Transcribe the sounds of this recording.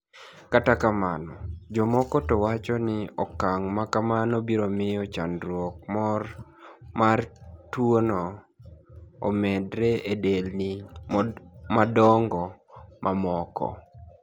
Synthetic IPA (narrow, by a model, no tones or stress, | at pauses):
katakamanɔd͡ʒɔmɔkɔtɔwat͡ʃɔnɪɔkaŋmakamanɔbiɾomɪɔt͡ʃa̰nɾwɔk̚mɔr | martwonɔ | mɛdɾeedelnɪ | madɔŋɡɔmʔamɔkɔ̰